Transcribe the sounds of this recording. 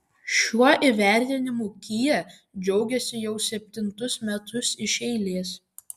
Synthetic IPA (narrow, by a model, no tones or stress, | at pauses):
ʃʲuɔʔiˑʋʲæˑɾʲt̪ʲɪnʲɪmuˑkʲijɛ | d͡ʒʲɛʊɡʲɛsʲɪjɛʊsʲɛp̚ʲt̪ʲɪnt̪ʊsmʲɛt̪ʊsɪʃʲɛɪlʲeːs